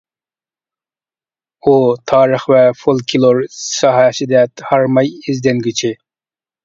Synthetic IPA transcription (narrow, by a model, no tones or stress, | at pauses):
ut̪ʰɑːɾəχvɛfolˠkʲʰilˠoɾsɑɦɛsɪd̪ɛt̪hɑɾmɑjizd̪ɛnɡʲyt͡ʃʰɪ